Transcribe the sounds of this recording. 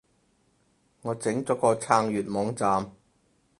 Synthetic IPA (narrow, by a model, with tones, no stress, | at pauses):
ŋɔː˨˧t͡sɪ˨˥ŋt͡sɔː˨˥kɔː˧t͡sʰaː˧ŋjyː˨˩t̚mɔː˨˧ŋt͡saː˨m